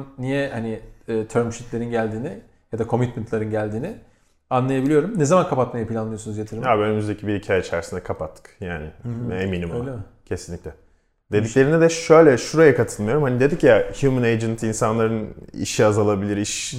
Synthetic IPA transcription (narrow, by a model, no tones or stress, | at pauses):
nnijɛhanɪːt̪ʰøɾmʃit̪lʲe̞ɾinɟælʲd̪iːnɪ | jad̪akʰo̞mit̪mɛnt̪lˠaɾɯnɟælʲd̪iːnɪ | anlˠajabilʲijo̞ɾumnezamankʰapat̪majapʰilʲanˠɯjosunuzjet̪ʰiɾmaːbiønymyzd̪e̞cʰibiɾhicʰaːjait͡ʃʰæɾsind̪ɛkʰapat̪ʰːɯ̥kjaːnɪeminimo | cʰe̞sinlʲiclʲɛ | d̪e̞d̪iclʲe̞ɾinɛd̪ɛʃø̞jlʲɛʃuɾajakʰat̪ʰɯlˠmajo̞ɾumhanid̪e̞d̪icjahjumɯnejd͡ʒɛnt̪ʰinsanlˠaɾɯnḭʃiazalˠabilʲiɾiʃ